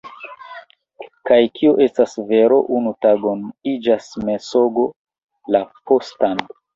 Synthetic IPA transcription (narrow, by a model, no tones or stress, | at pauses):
kajkʰioʔe̞stasve̞ɾo̞ʔunutaɡo̞nid͡ʒasme̞so̞ɡo̞ | lapo̞stan